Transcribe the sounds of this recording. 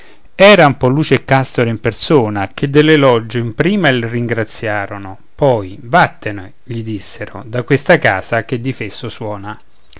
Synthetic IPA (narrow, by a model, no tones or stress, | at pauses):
ɛːɾaumpɔlːuːt͡ʃekːast̪oɾimpersuːnak̟ʰed̪ːelːelɔd͡ʒːʊimpɾiːmalriŋɡɾat̪sːjaːɾonʊ | pɔjbat̪ːene | ʎid̪isːeɾʊ̰d̪akwest̪aka̰ːsak̟ed̪ːifesːʊswɔːna